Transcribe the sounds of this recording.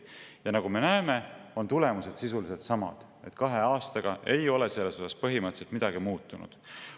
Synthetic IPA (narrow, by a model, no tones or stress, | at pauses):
jɑnɑɡ̥ume̞næːme̞o̞nt̪ule̞muse̞d̪̥sis̬ulise̞lt̪sɑmɑ̰d̪̥ | e̞̰t̪ˑkɑɦe̞ɑːst̪ɑɡ̥ɑʔe̞jo̞le̞se̞lːe̞so̞sɑspɤɦimɤt̪se̞lt̪mid̪̥ɑɡ̥imuːt̪ˑːunṵd̪̥